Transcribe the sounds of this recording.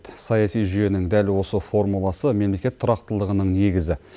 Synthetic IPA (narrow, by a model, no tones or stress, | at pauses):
t̪sɑjɑsijʒʏje̞nɪŋd̪ælwo̞səfo̞ɾmulˠɑsəme̞mle̞kʲe̞t̪ʰːʊɾɑq̚t̪əlˠəʁənəɴne̞ɡʲɪzɪ